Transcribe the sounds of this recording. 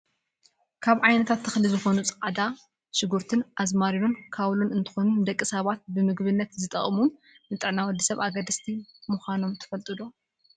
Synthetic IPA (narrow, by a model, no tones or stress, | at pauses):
kʰaβʕajnɐt̪ʰat̪ʰːɐxlɨzɨxo̞nut͡sʼɐ̥ʔʼad̪a | ʃɪɡuɾt̪ʰɨnʔazmaɾijonkʰaβlonɨnt̪ʰɨ̥xo̞nund̪ɐkʼːisɐβat̪̚bɨmɨɡβɨnːɐt̪zɨt̪ʼɐχʼmun | nɨt̪ʼɨʕnawɔd̪ːisɐβaɡɐd̪ɐst̪ʰimuxʷano̞mt̪ʰɨ̥fɐlt̪ʼɨlo